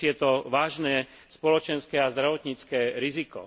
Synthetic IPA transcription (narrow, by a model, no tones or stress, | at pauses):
ɪjɛt̪ɔʋaːʒnɛː | spɔlɔt͡ʃɛnskɛːazd̪ɾaʋɔt̪ɲit͡skɛːɾizikɔ̰